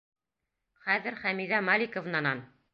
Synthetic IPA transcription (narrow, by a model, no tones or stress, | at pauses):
χæðɘɾχæmiðæmalʲikŏvnɑnɑn